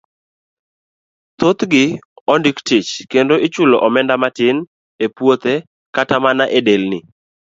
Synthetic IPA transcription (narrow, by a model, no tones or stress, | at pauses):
t̪ot̪ɡɪɔndɪktɪt͡ʃkendoɪt͡ʃʊloʔɔmɛndamatɪn | epwot̪e | katamanaʔedelnɪ